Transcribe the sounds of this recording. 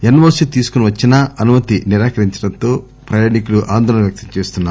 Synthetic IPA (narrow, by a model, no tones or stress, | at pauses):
enɐʋɐsut̪iːsu̥kuniʋɐt͡ʃːinɐɐnumɐt̪iniɾaːkɐɾiɲt͡ʃɐ̥ɽɐnt̪o̞ː | pɾɐjaːnikuluʔaːnd̪ʱɔːɐnɐʋjɐk̚t̪ɐmt͡ʃeːst̪unːaː